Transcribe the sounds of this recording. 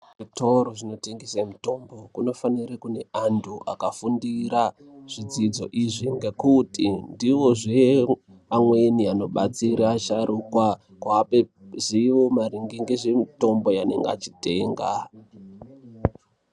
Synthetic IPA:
ʐito̞ɾoʐino̞teŋɡesemito̞mbo̞kuno̞faniɾekune̞ʔantʰuʔakafundiɾa | ʐ̥id͡zid͡zo̞̰ʔiʐiŋɡe̞kutindiʋo̞ʐe | amwe̞niano̞ɓat͡siɾaːʃaɾʔukwa | kwaːpeziʋomaɾiŋɡiŋɡeʐemito̞mbo̞janḛŋɡaa̰t͡ʃite̞ːŋɡa

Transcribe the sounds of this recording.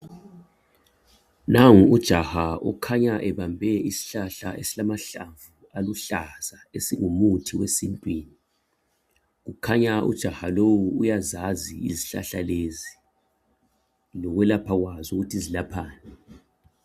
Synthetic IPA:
naŋuud̥ʒ̥ʱahaṵkʰaɲaʔɛβambʱɛisi̥ɬaɬa̰esilamaɬaɱvu | aluɬaz̥aesiŋumutʰiwesintʼwiːni | ɣukʰaɲaʔṵd̥ʒ̥ʱahalowuːjazaziiziɬa̰ɬalezi | lɔɣwɛlapʰaɣwazuɣutʰizilapʰaːnɛ

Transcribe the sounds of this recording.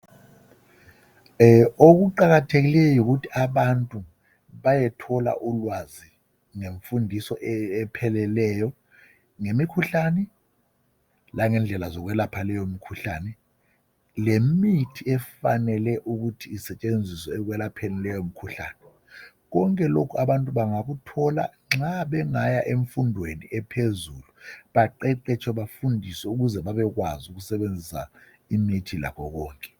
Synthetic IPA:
oɣuǃaɣatʰeɣilɛjɔjuɣutʰiaβantʼu | βajɛtʰɔla̰ʔulwazi | ŋeɱfundʱisɔʔɛɛpʰɛlɛlɛjɔ | ŋemikʰuɬanɛ | laŋɛnd͡ɮʱɛlazɔɣwɛlapʰalɛjomikʰuɬaːnɛ | lemitʰiɛfanɛlɛʔuk̬utʰiːsɛt͡ʃʼend͡zʱisɔɛk̬wɛlapʰenilɛjom̩kʰuɬa̰ːnɛ | k̬ɔŋkʼɛlokʰuaɓantʼuɓaŋak̬utʰɔla̰ | ŋ͡ǁaɓɛŋajaʔeɱfundʱweniɛpʰezuluɓaǃɛǃɛt͡ʃʰɔɓafundʱisɛuk̬uzɛɓaɓɛk̬wazuk̬usɛɓend͡zʱisa̰ | imitʰila̰kʰɔk̬ɔːŋkʼɛ̥

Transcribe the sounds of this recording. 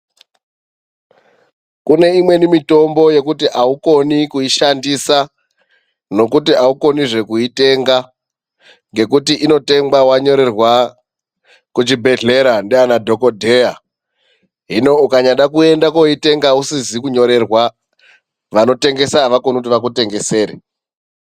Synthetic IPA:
kune̞imwe̞nimito̞mbo̞je̞kutiʔauko̞nikuiʃandisa | no̞kutiauko̞niʐe̞kuite̞ŋɡa | ŋɡe̞kutiʔino̞te̞ŋbawaɲo̞ɾe̞rwa | kut͡ʃibʱe̞ɮe̞ɾandeanadʱo̞ko̞dʱe̞ja | ɦino̞ukaɲaɗakue̞ndakoite̞ŋɡausizikuɲo̞ɾe̞rwa | ʋano̞te̞ŋɡe̞saːʋako̞nikut̬iʋak̬ute̞ŋɡe̞se̞ːɾe

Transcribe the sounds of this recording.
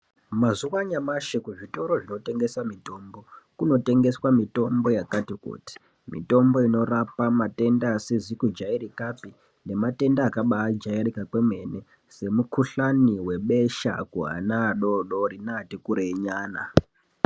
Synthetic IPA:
mazuwaɲamaʃekuʐito̞ɾo̞ʐino̞te̞ŋɡe̞samito̞mbo̞kuno̞te̞ŋɡe̞swamito̞mbo̞jakatikṵːti̥ | mḭto̞mbo̞ino̞rapamate̞ndaːsezikud͡ʒaiɾikapi | ne̞mate̞ndaːkaɓaːd͡ʒaeɾikakwe̞me̞ne | se̞mukuɬaniwe̞ɓe̞ʃa̰kuɦa̰naːɗo̞ɗo̞ɾinaːtikuɾeiɲaːna̰

